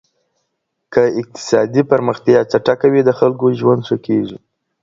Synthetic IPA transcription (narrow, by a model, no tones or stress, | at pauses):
kəɪq̚t̪ɪ̥sɑd̪ipəɾməxt̪jɑt͡ʃaʈakawid̪əxalkoʒwand̪ʂəkeʐi